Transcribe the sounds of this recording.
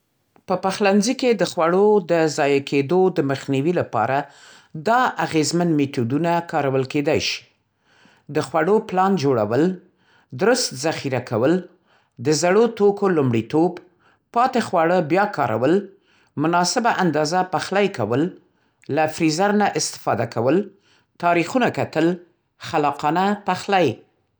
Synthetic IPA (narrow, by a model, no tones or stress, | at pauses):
pəpaxlanziked̪əxwaɽod̪əzɑjakʰed̪od̪əməxniwilapɑ̰ɾa | d̪ɑʔaɣezmanmet̪ud̪unakɑɾawəlked̪ajʃi̥ | d̪əxwaɽoplɑnd͡ʒoɽa̰wəl | d̪ɾʊst̪zaxiɾakʰawəl | d̪əzaɽot̪okolumɽit̪ob | pɑt̪exwaɽəbjɑkɑɾʔa̰wəl | mʊnɑsɪbaʔand̪ɑzapaxlajkawəlː | afɾizaɾnaʔɪst̪ɪ̥fɑd̪akawəl | t̪ɑɾixunakat̪əl | xalɑqɑnapaxlaj